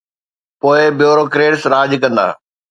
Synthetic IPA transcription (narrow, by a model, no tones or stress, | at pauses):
poːɪbɪjoːɾokɾeːʈsɾaːd͡ʑkɐ̃nd̪a̰ː